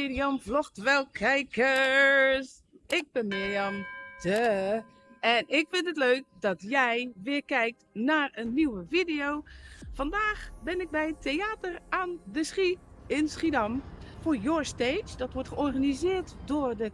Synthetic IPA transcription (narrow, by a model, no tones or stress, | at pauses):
ɪriɔmflɔxtʋɛlˠkʰɛjkə | s | ɪk̚bɛnmɪjɔmtə | ɛnɪkfɪntətløːk̚dɔtjɛjʋɪərkɛjk̚tnaːrənːiwəfidioːfandaːxbɪnɪk̚bɛjətʰːeaːtərandəsχiɪnsχidamfojoɹsteːd͡ʒdɔtʋɔɹtxəɔrɣanizɪərtdʊrdə